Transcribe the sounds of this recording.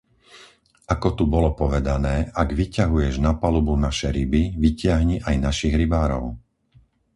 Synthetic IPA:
ʔakɔt̪ubɔlɔpɔʋɛd̪anɛːʔaɡʋicaɦujɛʒnapalubunaʃɛjɾibiʋicɪaɦɲiʔajnaʃiɣɾibaːɾɔ̰ʊ

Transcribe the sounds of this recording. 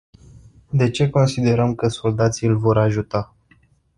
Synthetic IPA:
d̪e̞t͡ʃe̞ko̞nsid̪e̞ɾəmkəso̞ld̪at̪siɨlʲvo̞ɾaʒut̪a

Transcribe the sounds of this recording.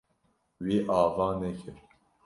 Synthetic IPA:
wiʔɑːvɑːnɛkʰɪɾ

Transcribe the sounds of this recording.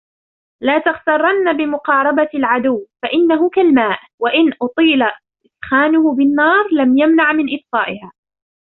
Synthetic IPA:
laːt̪ɑɣt̪ɑrˤːɑnːabɪmʊqɑːɾˤɑbalʕad̪ʊwːfaʔɪnːaɦʊkalmaːʔ | waʔɪnʔʊt̪ˤiːla | ʔɪsxaːnʊhʊbɪnːɑːɾˤlamjamnaʕmɪnʔɪfsˤɑːʔɪhaː

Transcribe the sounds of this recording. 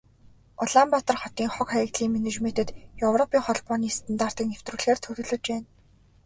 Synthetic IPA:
ɔɮampat̪ə̆rχɔt̪iːŋχɔkχæj̆kt̪ɮiːŋmenet͡ɕmet̪ɘ̆t̪jɵwrɔpiːŋχɔɮpɔːniːst̪ʰə̆nt̪aːr̥t̪iːkŋew̥t̪ruːɮxeːrt̪ʰɵɾɵ̆ɮɵ̆t͡ɕpæːn

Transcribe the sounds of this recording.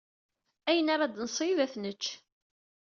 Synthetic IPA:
æjənaɾɑd̪nsˤiðæθnət͡ʃː

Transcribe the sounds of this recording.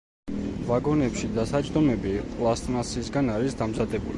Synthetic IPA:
vaɡɔnɛpʃid̪asad͡ʒd̪ɔmɛbikʼlˠast̪ʼmasisɡanaɾisd̪amzad̪ɛbuli

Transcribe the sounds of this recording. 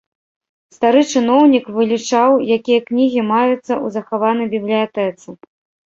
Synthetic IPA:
st̪aɾɨt͡ʂɨnɔwnʲikvɨlʲit͡ʂawjakʲijɐknʲiɣʲimajut̪sːɐʔuzɐxavanɐjbʲiblʲijat̪ɛt̪sɨ

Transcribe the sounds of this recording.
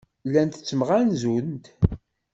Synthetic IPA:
lːænt̪ə̥t͡sːəməʁænzunt̪

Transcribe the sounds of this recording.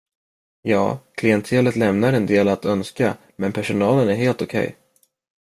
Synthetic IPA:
jɑ̰ːkʰlɪɛnt̪ʰeːlət̪lɛmnaɾɛnd̪eːlat̪œnska | mɛnpʰæʂʊnɑːlənæɾheːlt̪ʊkʰɛ̰j

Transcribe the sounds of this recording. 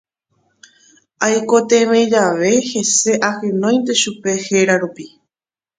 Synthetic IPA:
ajko̞t̪eʋẽd͡ʒaʋe̞he̞se̞ʔahẽnõj̪̃t̪̬e̞ʃupe̞he̞ɾaɾupi

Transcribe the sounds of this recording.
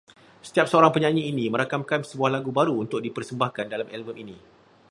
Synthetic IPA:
sə̥t̪iap̚səoɾaŋpəɲãɲĩinĩmə̃ɾakamkansəbuahlaɡubaɾuunt̪ʊk̚dipərsəmbahkandalamʔɛlməminĩ

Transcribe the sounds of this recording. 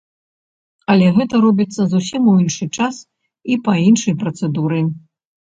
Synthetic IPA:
ɐlʲɛɣɛt̪ɐɾɔbʲit̪sːɐzusʲimuinʂɨt͡ʂas | ipɐinʂɐjpɾɐt̪sɛd̪uɾɨ

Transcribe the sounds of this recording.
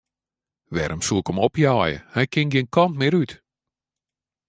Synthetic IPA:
ʋɛ̰ɾʔəmsuəkɔmɔpjaːjə̰hɛjkɪŋɡɪnkɔntmɪɾyt

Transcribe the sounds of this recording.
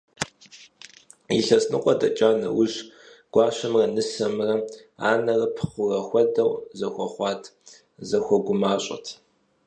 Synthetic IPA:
iɬɐsnɨqʷʼɔdɐ̰t͡ʃʼaːnɐ̰wʊɕ | ɡ̥ʷɑːɕɐmrɐnɨsɐmrɐ | a̰ːnɐrɐpʰχʷʊrɐxʷɔdɐwzɐxʷɔχʷɑːtʰ | zɐxʷɔɡʷʊmaːɕʼɐ̰tʰ

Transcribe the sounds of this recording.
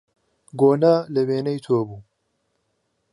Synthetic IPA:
ɡoːnaːlɐweːnɐjt̪ʰoːbuː

